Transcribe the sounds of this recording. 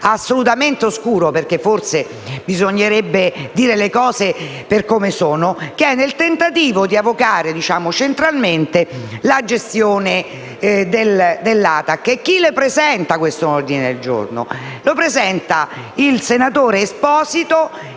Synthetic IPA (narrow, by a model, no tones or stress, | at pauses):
asːolut̪ament̪eoskuːɾoperk̟efːorse | bizoɲːeɾebːed̪iːɾelekɔːze | perkomesoːnokeɛnːelt̪ent̪at̪iːvod̪iavokaːɾed̪it͡ʃaːmot͡ʃent̪ɾalment̪elad͡ʒest̪joːne | d̪eld̪elːaːt̪akːek̟ːilepɾezɛnt̪akwest̪oord̪ined̪eld͡ʒo̰rno̰lopɾezɛnt̪a | ilsenat̪oːɾeːspɔːzit̪o